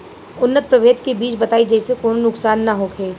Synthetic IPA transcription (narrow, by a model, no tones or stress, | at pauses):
ʊnːət̪̚pɾɐʋeːt̪kebiːt͡ʃbɐt̪aːid͡ʒɛːsekoːnonʊksaːnːaɦokʰeː